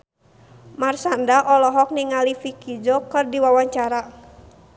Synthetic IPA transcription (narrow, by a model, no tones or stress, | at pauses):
marsandaʔɔlɔɦɔk̚niŋalifikid͡ʒɔkɨrdiwawaɲt͡ʃaɾa